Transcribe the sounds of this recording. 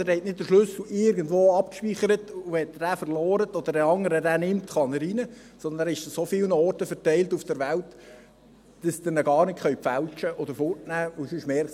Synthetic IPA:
æɾhɛtnɪt̚d̥əɾʃlɵsɪɾɡəndʋoːɑpkʃpiːχəɾətʊɛt̪dæːfəɾlɔːɾət̪ɔd̪əɾəɑŋːəɾədæːnɪmt̪χɑnəɾinə | sɔnd̪ənæːɾɪʃəsofɪlnəɔrtəfəɾtɛɪltufd̥əɾʋælt | d̥əsd̥̪ənəɡɑːrnɪtχœɥpfælt͡ʃəʔɔd̪əɾfʊrtnæːʊsɪʃmɛɾ

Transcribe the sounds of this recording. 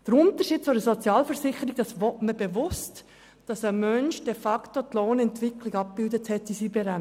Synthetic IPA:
d̥əɾʊnt̪əɾʃiːd̥̚t͡sʊdəsɔt͡sjɑːlfəɾsɪχəɾiɡ̥̚d̥ɑsʋɔtməb̥eʋʊst | d̥ɑsəmœnʃd̥ɛfɑktot̪loːnɛntʋɪkʰliɡɑp̚bɪldəthɛtːisibɛɾæ

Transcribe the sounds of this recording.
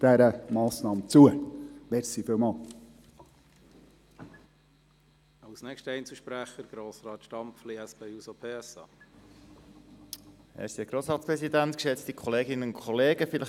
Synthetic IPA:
d̥æɾəmɑːsnɑːmt͡suəʋɛɾsifɪwmɑːl | ɑwsnɛkʃtəɛjnt͡səʃpɾæχəɾɡ̥ɾoːsɾɑːt̪ʃtɑmpfliɛsb̥ejusopʰeːɛsɑ̰ː | æ̰ːɾsiɛɡ̥ɾoːsɾɑːtt͡sspɾɛsidænt̪kʃɛt͡st̪ikʰɔleːɡɪnənʊkʰɔleːɡəfɪləχ

